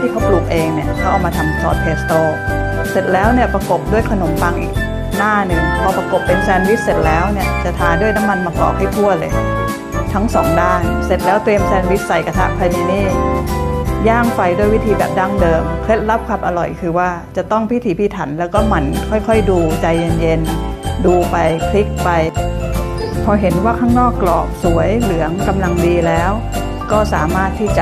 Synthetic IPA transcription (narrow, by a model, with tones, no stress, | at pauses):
iː˥˩ka˦˥wpluː˨˩k̚ʔeː˧ŋni˧˥˩əkʰa˦˥wʔaː˨˩wmaː˧t̪ʰa˧msɔ̰ː˨˩t̪̚pʰeː˦˩s̚t̪oː˧˥ | se˨˩t̪̚lɛː˦˥wni˥˩əpa˧ko˨˩p̚du˥˩əjkʰa˧no˨˩˦mpaː˧ŋʔḭː˨˩k̚ | naː˥˩nɯ˨˩ŋp̪ʰɔː˧pɾa˧ko˨˩pːe˧nsɛː˧nwi˦˥t̪̚se˨˩t̪̚lɛː˦˥wni˥˩ət͡ɕa˨˩t̪ʰaː˨˦ndu˥˩əjna˦˥mːa˧nmaː˧kɔ̰ː˨˩k̚ha˥˩jt̪ʰu˥˩əlɤː˧j | t̪ʰa˦˥ŋsɔː˩˦ŋdaː˥˩nse˨˩t̪̚lɛː˦˥wt̪ɾi˧əmsɛː˧nwi˦˥t̪̚sa˨˩jka˧t̪ʰa˦˥ʔpʰa˧jniː˧niː˥˩ | jaː˥˩ŋfa˧jduː˥˩jwi˦˥t̪ʰiː˧bɛ̰ː˨˩p̚daː˥˩ŋdɤː˧mkʰe˦˥t̪̚la˦˥˩p̚kʰa˧˩p̚ʔa˧lɔ˨˩jkʰɯː˧waː˥˩t͡ɕa˨˩t̪ɔ˥˩ŋpʰi˦˥t̪ʰiː˨˦pʰiː˧˩t̪ʰa˩˦nlɛː˦˥wkɔː˥˩ma˧˥nkʰɔ˥˩jkʰɔ˥˩jduː˧t͡ɕa˧jːe˧nje˧nduː˧pa˧jkʰli˦˥k̚pa˧j | pʰɔː˧ɦe˩˦nwaː˥˩kʰaː˥˩ŋnɔː˥˩kːlɔ̰ː˨˩k̚su˨˩˦əjlɯ˩˦əŋka˧mla˧ŋdiː˧lɛː˦˥w | kɔː˥˩sa̰ː˩˦maː˥˩t̪ʰːiː˥˩t͡ɕa˨˩